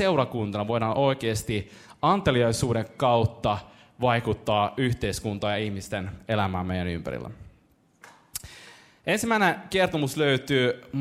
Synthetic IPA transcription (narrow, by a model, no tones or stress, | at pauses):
e̞wɾɑkunt̪ɑnɑʋo̞jɾɑːnʔo̞jk̟eːst̪i | ɑnt̪eliɑjsuːɾeŋkɑwt̪ːɑ | ʋɑjkut̪ːɑːyçt̪e̞iskunt̪ɑːjɑihmist̪ene̞læmæːmejæny̰mpæ̰ɾḭlːæ̰ | e̞nsimːæineke̞rt̪omusløyt̪yː